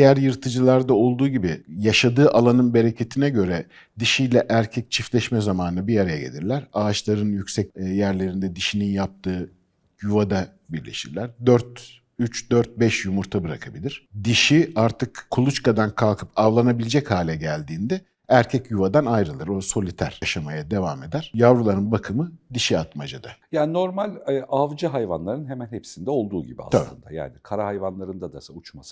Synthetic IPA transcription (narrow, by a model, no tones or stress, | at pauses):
d̪jæɾjɯɾt̪ʰɯd͡ʒɯlˠaɾd̪ao̞lˠd̪uːɟibijaʃad̪ɯːʔalˠanɯnbe̞ɾe̞cʰe̞t̪ʰinɛɟø̞ɾɛ | d̪iʃijlʲɛʔæɾcʰɛc̚t͡ʃʰiflʲɛʃmɛzamaːnɯbijaɾajaɟḛlʲḭɾlʲæɾaːt͡ʃlˠaɾɯnjycʲsɛc̚jæɾlʲe̞ɾind̪ɛd̪iʃininjap̚t̪ʰɯː | juvad̪a | biɾlʲḛʃiɾlʲæɾd̪øɾt̪ | yt͡ʃd̪øɾt̪̚bɛʃjumuɾt̪ʰabɯɾakʰabilʲiɾ̥d̪iʃiaɾt̪ʰɯkkʰːulˠut͡ʃkad̪ankʰalˠkʰɯpʰavlˠanabilʲed͡ʒɛchaːlʲɛɟælʲd̪iːnd̪ɛ | æɾcʰɛcjuvad̪anajɾɯlˠɯɾo̞so̞lʲit̪ʰæɾ̥aʃamajad̪e̞vame̞d̪æɾ̥javɾulˠaɾɯnbakʰɯmɯd̪iʃiat̪mad͡ʒad̪ajaːnino̞ɾmalʲɛavd͡ʒɯɦajvanlˠaɾɯnɦemænhepsind̪ɛo̞lˠd̪uːɟḭbia̰sʰalb̪ˠɯ̰nd̪a̰ja̰ːnikʰaɾahajvanlˠaɾɯnd̪ad̪asaut͡ʃmasɯ̥